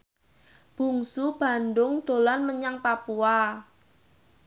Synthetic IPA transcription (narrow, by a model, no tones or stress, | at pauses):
b̥ṳŋsub̥a̤ndʊŋd̪̥o̤lanməɲaŋpapua